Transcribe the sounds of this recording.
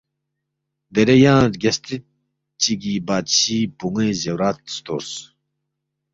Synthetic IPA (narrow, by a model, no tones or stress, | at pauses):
d̪eɾejãːɾɡɐst̪i | t͡ɕiɡibaːɕiːpuŋezewɾaːt̪̚st̪oɾs